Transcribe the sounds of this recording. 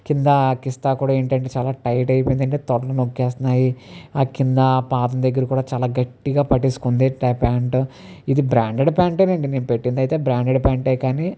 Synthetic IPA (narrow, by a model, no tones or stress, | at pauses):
kind̪ɐkist̪aːkuːɽaːe̞ːɳʈɐɳʈeːt͡ʃaːlaːʈɐjʈɐjpojind̪ɐɳʈeːt̪ɔɽɐlɐnokːɛːst̪ɐnaːjiakind̪ɐpaːd̪ɐnd̪ɐɡːɐɾikuːɽaːt͡ʃaːlaːɡɐʈːiɡaːpɐʈiːsu̥kund̪iʈɐpaːɳʈ | id̪ibɾaːɳɖeɖpʲaːɳʈeːnɐɳɖine̞ːnupe̞ʈːind̪ɐjit̪e̞ːbɾaːɳɖeɽpʲaːɳʈeːkaːni